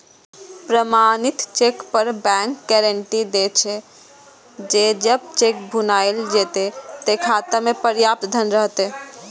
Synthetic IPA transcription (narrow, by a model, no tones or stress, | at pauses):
pɾəmanit̪t͡ʃekpəɾbɛ̃ŋkɡɛɾəɳʈid̪et͡ʃʰɛ | d͡ʒed͡ʒəb̚t͡ʃek̚bʱunajld͡ʒet̪et̪ekʰat̪əmepəɾjap̚t̪d̪ʱənɾəɦt̪e